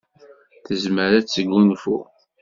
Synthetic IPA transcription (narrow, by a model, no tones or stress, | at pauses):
θəzməɾæt͡sːəɡːunfṵ